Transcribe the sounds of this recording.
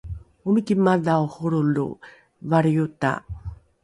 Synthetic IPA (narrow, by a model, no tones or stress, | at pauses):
umikimadauhuɾulṵ | vaɾiuta̰